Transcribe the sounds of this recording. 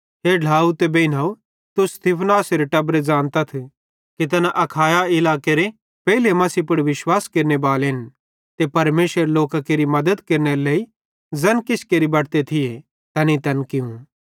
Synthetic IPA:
ɦeɖʱaːut̪ebeɪnaːu | t̪ʊst̪iːpʰnaːseɾeʈɐbɾed͡zãːnt̪ɐt̪ʰ | kit̪̬ɐnaʔɐkʰaːjaɪlaːkeɾe | pɛɦilemɐsipʊɽʋɪʃwaːskeːɾnebaːleɦɪn | t̪epɐɾmeːsʋəɾloːkakeːɾimɐd̪əd̪keːɾneɾeleːi | zɐnkɪt͡ʃʰkeːɾibɐɽt̪et̪ʰɪje | t̪ɐnit̪ɐnkɪũ

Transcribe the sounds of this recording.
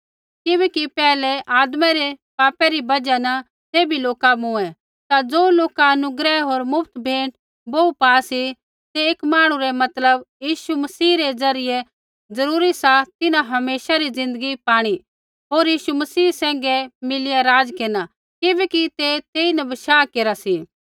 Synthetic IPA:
kɪbɛːkipɛːlɛʔaːd̪mɛɾɛpaːpɛɾibɐd͡ʒanɐ | t̪eːbʱiloːkabʊ̃ɛ̃ | t̪ad͡zoːloːkaɐnʊɡɾɛɦoːɾmʊpʰt̪bʱeːʈ | boːupaːsi | t̪eeːkmaːɽ̃ũɾɛmɐt̪ləbjiːʃumɐsiːɾed͡zɐɾɪjɛ | d͡zɐɾuːɾisat̪ɪnãɦɐmeːsaɾid͡zɪ̃nd̪əɡipaːɽ̃i | ɦoːɾjiːʃumɐsiːsɛ̃ːŋ̆ɡɛmɪlɪjaɾaːd͡zkeːna | kɪbɛːkit̪et̪eːinɐbɐʃaːkeːɾasi

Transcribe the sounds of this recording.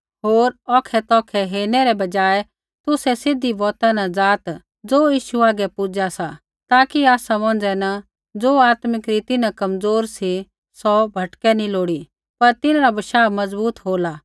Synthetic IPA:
ɦoːɾɔːkʰɛt̪ɔːkʰɛɦeːnɛɾɛbɐd͡ʒaːɛ | t̪ʊsɛsɪd̪ʱibɔːt̪anad͡zaːt̪ | d͡zoːjiːʃuaːɡɛpʊd͡ʒasa | t̪aːkiaːsamɔ̃ːn̆d͡ʒɛna | d͡zoːaːt̪mɪkɾiːt̪ɪnãkɐmd͡zoːɾsi | sɔbʱɐʈkɛnĩloːɽi | pɐɾt̪ɪnɾabɐʃaːmɐzbuːt̪ɦoːla

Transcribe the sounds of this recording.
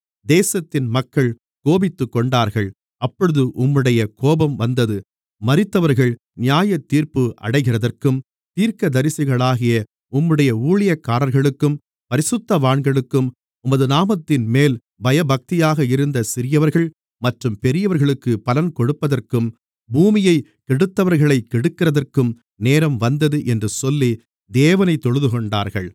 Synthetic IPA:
d̪eːsɐt̪ːɪnmɐkːɐɭ | koːbɪt̪ːɯkːɔɳɖaːɾɣɐɭ | ɐpːɔɻɯðɯʔʊmːɯɽɐjɐkoːbɐmʋɐnd̪ɐðɯ | mɐɾɪt̪ːɐʋɐɾɣɐɭ | nɪjaːjɐt̪ːiːɾpɯʔɐ̰ɽɐɪɣɪrɐðɐrkɯm | t̪iːɾkɐd̪ɐɾɪsɪɣɐɭaːɣɪjɐ | ʊmːɯɽɐjɐuːɭɪjɐkːaːɾɐɾɣɐɭɯkːɯm | pɐɾɪsɯt̪ːɐʋaːɳɡɐɭɯkːɯm | ʊmɐðɯnaːmɐt̪ːɪnmeːl | bɐjɐbɐk̚t̪ɪjaːɣɐɪɾɯnd̪ɐsɪɾɪjɐʋɐɾɣɐɭ | mɐʈrɯmpɛɾɪjɐʋɐɾɣɐɭɯkːɯpɐlɐnkɔɽɯpːɐðɐrkɯm | buːmɪjɐɪ | kɛɽɯt̪ːɐʋɐɾɣɐɭɐɪkːɛɽɯkːɪrɐðɐrkɯm | neːɾɐmʋɐnd̪ɐðɯʔɛndrɯsɔlːi | d̪eːʋɐnɐɪt̪ːɔɻɯðɯkɔɳɖa̰ːɾɣɐɭ

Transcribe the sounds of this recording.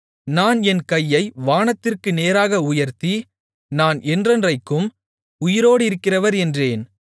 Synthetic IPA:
naːnɛnkɐjːɐɪʋaːnɐt̪ːɪrkɯneːɾaːɣɐʊjɐɾt̪i | naːnʔɛndrɐndrɐɪkːɯm | ʊjɪɾoːɽɯɪɾɯkːɪrɐʋɐɾɛndreːn

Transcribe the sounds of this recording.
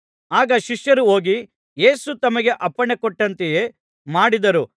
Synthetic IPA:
aːɡɐʃiʂjɐɾuo̞ːɡi | je̞ːsut̪ɐmɐɡe̞ʔɐpːɐɳekɔʈːɐnt̪eje̞ː | maːɽid̪ɐɾu

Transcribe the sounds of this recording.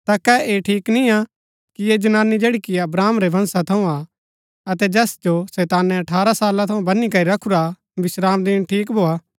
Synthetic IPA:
t̪akɛeʈʰiːknĩa | kijed͡ʒɐnaːnid͡ʒeːɽikiɐbɾaːmɾebʱɐ̃nsat̪ʰɐũa | ɐt̪ɛd͡ʒɛːsd͡ʒosɛːt̪aːnɛ̃ɐʈʰaːɾasaːlãt̪ʰɐ̃ũbɐnikɐɾiɾɐkʰuɾa | bɪsɾaːmd̪iːnʈʰiːkbʱoːaː

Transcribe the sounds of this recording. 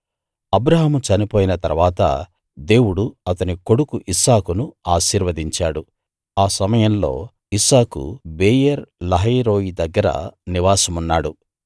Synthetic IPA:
ɐbɾɐɦɐmut͡ʃɐnipo̞ːjinɐt̪ɐɾʋaːt̪ɐ̰ | d̪e̞ːwuɽuɐt̪ɐniko̞ɽukuʔisaːkunuaːʃiːɾʋɐd̪iɲt͡ʃaːɽu | aːsɐmɐjɐmlo̞ː | isaːkṵbeːjɐɾlɐɦiːɾo̞ːjid̪ɐɡːɐɾɐ̰niʋaːsɐmunːaːɽu

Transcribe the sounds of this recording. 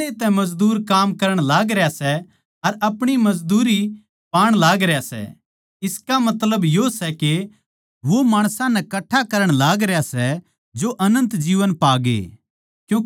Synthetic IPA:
et̪ɛ̃mɐd͡ʒd̪uːɾkaːmkɐɾəɽ̃laːɡɾjasɛ | ɐɾɐpɽ̃imɐd͡ʒd̪uːɾi | paːɽ̃laːɡɾejasɛ̰ | ɪskamɐt̪ləbjosɛke | ʋomaːɽ̃sãnɛkɐʈʰːakɐɾəɽ̃laːɡɾejasɛ | d͡ʒoʔɐnə̃nt̪d͡ʒiːʋənpaːɡḛː | kjũː

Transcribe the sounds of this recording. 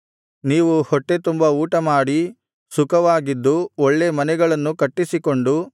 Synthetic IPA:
niːʋuhɔʈːe̞t̪umbɐuːʈɐmaːɽi | sukɐʋaːɡid̪ːuoɭːe̞mɐnɛɡɐɭɐnːukɐʈːisiko̞ɳɖu

